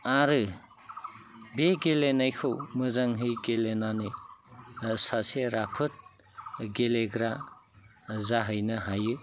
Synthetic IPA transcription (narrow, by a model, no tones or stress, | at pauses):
aɾɯ | beɡelenajkʰɯwmɯzaŋɦɯjɡelenani | saseɾapʰɯt̚ | ɡeleɡɾa | zaɦɯjnɯɦajɯ